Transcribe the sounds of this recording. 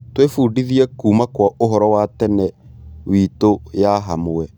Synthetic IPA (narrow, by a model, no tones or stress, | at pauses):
twefuːdiðiɛkuːmakwaoɦɔɾɔwaːtɛnɛwiːtojaɦamoɛ